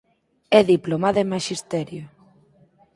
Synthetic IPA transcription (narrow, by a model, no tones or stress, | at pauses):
ɛðiplomaðemaʃist̪ɛɾjo